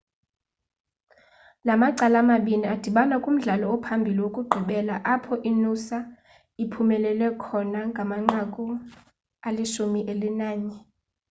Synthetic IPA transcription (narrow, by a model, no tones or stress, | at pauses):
lamaǀalamaɓiniad̥ʱiɓanakʼum̩ɮalɔɔpʰambʱiliwokʼuɡ͡ǃʱiɓɛlaʔapʰɔʔinusa | ipʰumɛlɛlwɛkʰɔnaŋɡʱamaŋ͡ǃakʼu | aliʃumiʔelinaːɲɛ